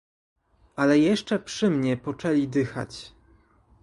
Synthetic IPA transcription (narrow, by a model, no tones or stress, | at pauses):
ʔalɛjɛʂt͡ʂɛpʂɘmɲɛpɔt͡ʂɛlʲid̪ɘxa̰t͡ɕ